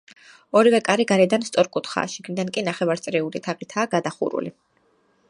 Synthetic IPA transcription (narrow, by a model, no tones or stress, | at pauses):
ɔɾivɛkʼaɾiɡaɾɛd̪anst̪sʼɔɾkʼut̪ʰχa̰ːʃiɡnid̪ankʼinaχɛvaɾt̪sʼɾɛulit̪ʰaʁit̪ʰaːɡad̪aχṵɾṵli